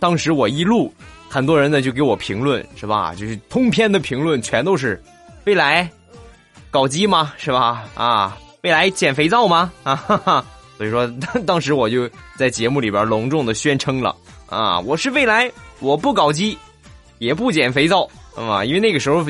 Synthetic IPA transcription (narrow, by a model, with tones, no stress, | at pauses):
t̪ɑ˥ŋʂɻ̩˧˥wɔ˨˩i˥lu˥˩ | xə˨˩nt̪wɔ˥ɻə˧˥nə˧t͡ɕjo˥˩ʊke˧˥ɪwɔ˨˩pʰi˧˥ŋlwə˥˧˩nʂɻ̩˥˩bɐ̰˩t͡ɕjo˥˧ʊʂɻ̩˥˩t̪ʰʊ˥ŋpʰjɛ˥˩nd̪ə˨pʰi˧˥ŋlwə˥˩nt͡ɕʰɥɛ˧˥nt̪o˥ʊʂ̬ɻ̩˥˧ | we˥˩ɪla˧˥ɪ | kɑ˨˩ʊt͡ɕi˥mɐ˨ʂɻ̩˥˩bɐ˩a̰˧we˥˩ɪla˧˥ɪt͡ɕjɛ˨˩nfe˧˥ɪt͡sɑ˥˩ʊmɐ˩˧˩ | swɔ˧˥i˨˩ʂwɔ˥t̪ɑ˥ŋʂɻ̩˧˥wɔ˨˩t͡ɕjo˥˧ʊt͡sa˥˩ɪt͡ɕjɛ˧˥mu˥˩li˨˩bjə˧˥lʊ˧˥ŋʈ͡ʂʊ˥˩ŋd̪ə˩ɕɥɛ˥nʈ͡ʂʰɤ˥ŋlə̰˨ | a̰˧˩wɔ˨˩ʂɻ̩˥˧we˥˩ɪla˧˥ɪwɔ˨˩pu˥˩kɑ˨˩ʊt͡ɕi˥ | jɛ˨˩pu˥˩t͡ɕjɛ˨˩nfe˧˥ɪt͡sɑ˥˩ʊ˥˩i˥nwna˥˩ɡə˩ʂɻ̩˧˥xo˧ʊ